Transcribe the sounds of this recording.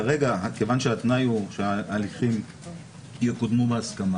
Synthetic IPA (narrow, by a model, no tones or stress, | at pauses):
aʁeɡakevanʃeat̪najuʃeaːliχim | jekod̪mubeaskama